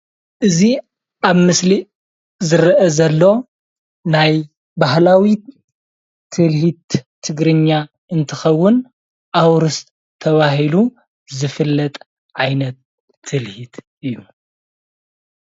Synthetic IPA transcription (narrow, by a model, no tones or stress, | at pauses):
ʔɨzi | aβmɨsli | zɨɾʔɐzɐlːo̞ | naj | baɦlawi | t̪ʰɨlhit̪ːʰ | ɨɡɾɨɲːa | ɨnt̪ʰɨxɐwːʊn | ʔawɾɨst̪ʰːɐβaɦilu | zɨfɨlːɐt̪ʼ | ʕajnɐt̪ʰː | ɨlhit̪ | ɨjːu